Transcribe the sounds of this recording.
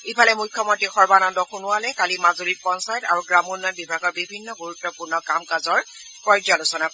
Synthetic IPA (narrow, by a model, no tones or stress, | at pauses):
ipʰalɛmujkʰjɔmɔntɹixɔɹbanɔndɔxunʊwalɛkalimazoɹit̚pɔnsajtaɹuɡɹamunːɔt̚bibʱaɡɔɹbibʱinːɔɡuɹutːɔpuɹnɔkamkazɔɹ | kɔɹd͡ʒalʊsɔna